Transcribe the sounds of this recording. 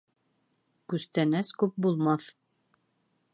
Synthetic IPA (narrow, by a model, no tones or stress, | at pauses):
kʉst̪ænæskʉp̚bulˠmɑθ